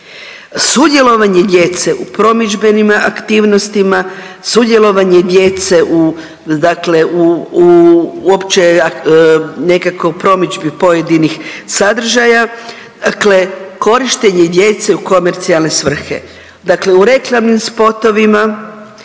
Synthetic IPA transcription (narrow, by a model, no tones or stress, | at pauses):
sud̪je̞lo̞ʋaɲe̞d̪je̞t̪se̞ʔupɾo̞mid͡ʒbe̞nima̰kt̪iːʋno̞st̪ima | sud̪je̞lˠo̞ʋaɲe̞d̪je̞t̪se̞ʔu | d̪akle̞u | uopt͡ʃe | ne̞kakopɾo̞mid͡ʒbipo̞je̞d̪inixsad̪r̩ʒaja | akle̞ko̞ɾiʃt̪e̞ɲed̪je̞t̪se̞uko̞me̞ɾt̪sialˠne̞sʋr̩xe̞̰ | d̪akle̞uɾe̞klˠamnimspo̞t̪o̞ʋima